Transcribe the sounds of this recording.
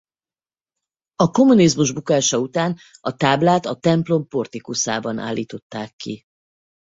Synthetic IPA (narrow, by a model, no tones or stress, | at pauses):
ɒko̞munizmuʒbukaːʃɒut̪aːnɒt̪aːblaːt̪ɒt̪ɛmplo̞mpo̞rt̪ikusaːbɒnʔa̰ːlːiːt̪o̞t̪ːaːkːi